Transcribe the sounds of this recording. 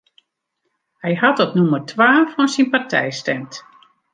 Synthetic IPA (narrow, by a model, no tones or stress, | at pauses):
hɛjɦatɔpnumərtʰʋaːfɔnsinpartʰɛ̰jstɛmt